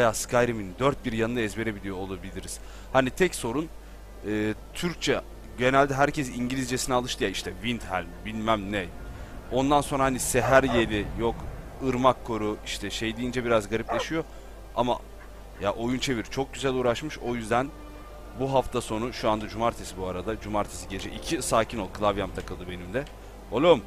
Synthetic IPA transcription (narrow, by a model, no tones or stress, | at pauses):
ajaːskʰajɾimind̪øɾt̪̚biɾjanɯnaɛzbe̞ɾe̞bilʲijo̞ːlˠabilʲiɾiz̥ | hanit̪ʰɛcso̞ɾun | ɯːt̪ʰyɾc̚t͡ʃʰɛ | ɟe̞nælʲd̪ɛɦæɾcʰɛsiɲɟilʲizd͡ʒesinɛaːlˠɯʃt̪ɯjaiʃt̪ʰɛvint̪hælʲmbilʲmæmnɛ | o̞nd̪ansonɾaɦaniseɦæɾjelʲɪjokɯɾmakʰːo̞ɾuiʃt̪ʰɛʃejd̪ijind͡ʒɛbiɾazɡaɾiplʲeʃijo | ama̰ | jaʔo̞junt͡ʃʰe̞viɾt͡ʃʰo̞k̚ɟyzælʲuːɾaʃmɯʃo̞jyzd̪æn | buɦaft̪ʰaso̞nuʃuand̪ad͡ʒumaɾt̪ʰesibuaɾad̪ad͡ʒumaɾt̪ʰesiɟe̞d͡ʒɛʔicʰisaːcʰino̞lˠkʰɯlˠavjamt̪ʰakɯlˠd̪ɯbe̞nimd̪ɛ | olʲˠom